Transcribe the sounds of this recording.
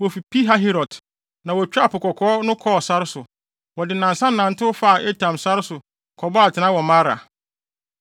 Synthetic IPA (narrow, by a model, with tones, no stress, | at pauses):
wɔ˨fi˨pi˦ɦa˦ɦi˦ɾɔ˨t | nã˨wɔ˨t͡ɕᶣa˦˨pʰʊ˨kɔ˨kʰɔː˦nʊ̃˦kʰɔ˦ɔ˨sa˦ɾɪ˦sʊ˨ | wɔ˨dɪ˨nã˨nsã˦n˦nã˨n˨tʰɪ˦ʊ˦fa˦a˨ʔe˦tʰã˨msa˦ɾɪ˦sʊ˨ | kʰɔ˨bɔ˦a˨tʰɪ˨nã˦wɔ˨mã˦ɾa̰˨